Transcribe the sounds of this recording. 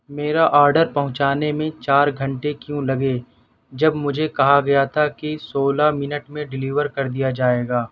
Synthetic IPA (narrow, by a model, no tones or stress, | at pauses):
meːɾaʔaːɾɖəɾpɐɦʊ̃t͡ʃaːnemẽt͡ʃaːɾɡʱɐ̃ɳʈekjũlɐɡe | d͡ʒɐbmʊd͡ʒʱekɐɦaɡɐjat̪ʰakisoːlamɪnəʈmẽɖɪliːʋəɾkɐɾd̪ijad͡ʒaːeːɡaː